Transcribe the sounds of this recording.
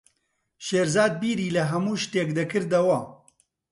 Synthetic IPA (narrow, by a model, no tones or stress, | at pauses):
ʃeːɾzaːd̪̚biːɾiːlɐɦɐmuːʃt̪eːkd̪ɐkɨɾd̪ɐwɐ